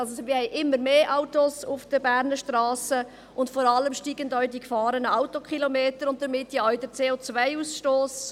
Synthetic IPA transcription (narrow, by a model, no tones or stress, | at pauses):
ɑlsomɪhɛɪʔɪmːəɾmeːʔaʊtosʊfd̥əbæːɾnəʃtɾɑːsə | ʊntfɔɾɑləmʃtiːɡəndɔːidikfɑːɾənəaʊtokχilomeːtəɾʊnt̚d̥əɾmɪtːjaɔɥdət͡seːot͡svaɪusʃtoːs